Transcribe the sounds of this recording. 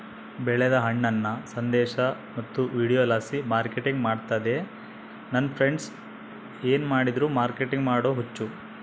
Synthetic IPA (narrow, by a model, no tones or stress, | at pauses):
bɛɭed̪ɐɦɐɳːɐnːɐsɐnd̪ɛːʃɐ | mɐt̪ːuʋiːɽijoːlaːsimaːɾkeʈiŋɡmaːɖt̪aːd̪e̞ | nɐnːpʰɾeɳɖs | eːnmaːɽid̪ɾuːmaːɾkeʈiŋɡmaːɽoːɦut͡ʃːu